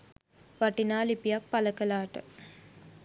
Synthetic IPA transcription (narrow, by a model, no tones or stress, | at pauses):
ʋaʈinaːlipijak̚paləkəlaːʈə̰